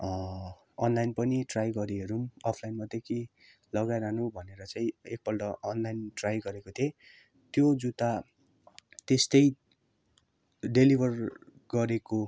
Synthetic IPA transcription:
ʌnlajnpʌniʈrajɡʌɾieɾumʌpʰlajnmʌd̪ekʰi | lʌɡajɾanubʱʌneɾʌt͡saĩek̚bʌlɖʌʔʌnlajnʈrajɡʌɾekot̪ʰe | t̪jod͡zut̪a | t̪est̪ʌj | ɖelibʱʌr | ɡʌɾeko

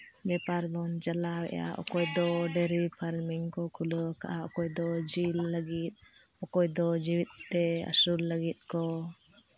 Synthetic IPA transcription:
bɛpaɾbɔnd͡ʒalawɛ̰ja̰ʔɔ̰kɔjd̪ɔɖɛɾipʰaɾmiŋkɔkʰuləkaʔaɔkɔjd̪ɔd͡ʒilːəɡit̪̚ | ɔkɔjd̪ɔd͡ʒiwit̪̚t̪ɛa̰sulːəɡit̪̚ˀkɔ

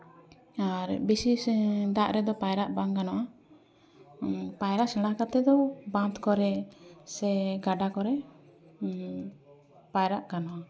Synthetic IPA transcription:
aɾbisisɖaʔɾɛd̪ɔpajɾaʔbaŋkanɔʔa | pajɾaʔsɛ̃ɽakat̪ɛd̪ɔbãnt̪kɔɾɛsɛɡaɖakɔɾɛ | pajɾaʔkanɔʔa

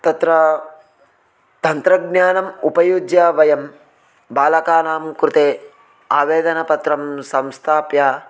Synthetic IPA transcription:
t̪ɐt̪ɾɐ | t̪ɐnt̪ɾɐɡnjaːnɐmupɐjud͡ʒjaːʋɐjɐm | baːlɐkaːnaːmkɾut̪eː | aːʋeːd̪ɐnɐpɐt̪ɾɐmsɐ̃mst̪ʰaːpjaː

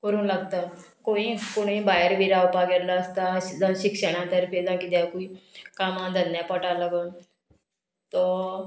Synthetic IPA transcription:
kəɾuːnlaɡt̪akoikoɽ̃ĩbaəɾbiɾawpaɡɛɾlaːst̪ad͡zəɕikɕəɽ̃ãt̪əɾpʰed͡zãkid̪jakuikamãd̪ʱənjapəʈalaɡən | t̪ɔ

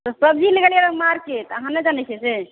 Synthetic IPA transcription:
t̪ɔsəb̚d͡ʒʱileɡeljeləmaɾket̪ɔəɦãnːed͡ʒanɛt͡ʃʰɛse

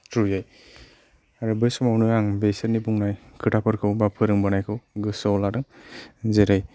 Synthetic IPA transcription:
tʰujaj | aɾɯbɯjsumawnujaŋbesenibuŋnaj | kʰɯtʰapʰɯɾkʰɯwbapʰɯɾɯŋbanajkʰɯwɡɯsɔwlaɾɯŋzeɾɯj

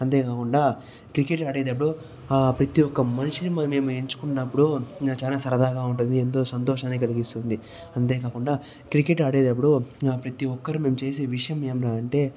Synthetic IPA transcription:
ɐnt̪̬e̞ːkaːkuɳɖaː | kɾikeʈaːɽeːd̪ɐp̬ːuɽu | pɾɐt̪iɔkːɐmɐniʂinimme̞ːmueɲt͡ʃu̥kunːɐpːuɽut͡ʃaːlaːsɐɾɐd̪ʱaːɡaːuɳʈ̬und̪ient̪o̞ːsɐnt̪ɔːʂaːnːikɐliɡist̪und̪i | ɐnt̪̬e̞ːkaːkuɳɖaː | kɾikeʈaːɽeːd̪ɐp̬ːuɽupɾɐt̪iɔkːɐɾume̞ːmut͡ʃe̞ːse̞ːʋiʂɐjɐmːe̞ːmɾaːɐɳʈe̞ː

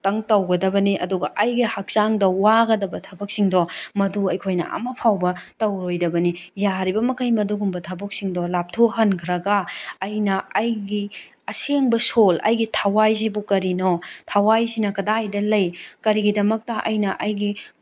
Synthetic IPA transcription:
tɐŋtɐwɡɐdɐbɐniʔɐduɡɐʔɐjɡihak̚t͡ʃaŋdɐwaɡɐdɐbɐtʰɐbɐk̚siŋdɔmɐduɐjkʰojnɐ̰ɐ̰mɐpʰawbɐtɐwɾojdɐbɐnijaɾibɐmɐkʰɐjmɐduɡumbɐtʰɐbɐk̚siŋdɔlap̚tʰoɦɐnkʰɾɐɡaːjnɐːjɡi | ɐseŋbɐsolɐ̰jɡitʰɐwajs̬ibukɐɾinɔtʰɐwajsinɐkɐdajdɐlɐjkɐɾiɡidɐmɐk̚tɐʔɐ̰jnɐʔɐjɡi

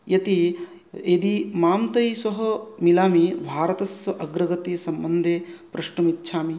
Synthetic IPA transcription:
jɐt̪i | ed̪imaːmt̪ɐjsɐɦɐmilaːmibʱaːɾɐt̪ɐsʋɐʔɐɡɾɐɡɐt̪ijɐsɐmbɐnd̪ʱeːpɾɐʃɳɐmitːʃʰaːmi

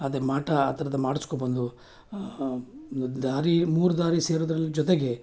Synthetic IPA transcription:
ɐd̪ɐɾemaːʈɐaːt̪ɐɾɐd̪ɐmaːɽiskobɐnd̪u | d̪aːɾimuːɾud̪aːɾise̞ːɾud̪ɾɐlːid͡ʒɔt̪eɡe̞

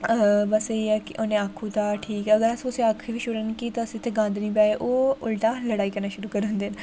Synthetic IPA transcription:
bəseɛːkɪʔonẽaːkʰːũːt̪aːʈʰiːkəɡəɾəsĩʊsẽakʰːiʋiːʃʊɾənkiːt̪oəsĩːt̪ʰːeɡãːnd̪nĩːpɛːeʔoːʊlʈãːləɽaːiːkəɾnaːʃʊɾuːkəɾə̃nd̪eːn

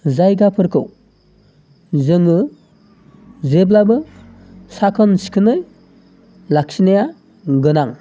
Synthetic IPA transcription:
zajɡapʰɯɾkʰɯw | zɯŋɯ | zeblabɯ | sakʰɔnsi̥kʰɯnɯj | lak̚sinaja | ɡɯnaŋ

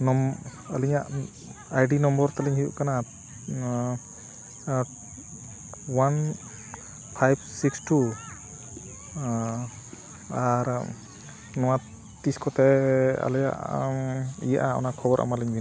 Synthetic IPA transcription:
nɔm | aliɲaʔ | ajɖinɔmbɔɾt̪aliŋhijṵʔkana | wan | pʰajb̚siksʈu | aɾ | nɔwa | t̪iskɔt̪ɛa̰lɛja̰ʔ | ḭja̰ʔaɔ̰nakʰɔbɔɾʔa̰maliŋbʱin

